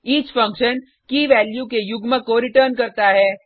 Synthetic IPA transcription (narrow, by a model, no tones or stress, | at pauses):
iːt͡ʃfɐ̃ŋkʃən | kiʋɛːljukejʊɡməkoɾɪʈəɾnkɐɾt̪aɦɛː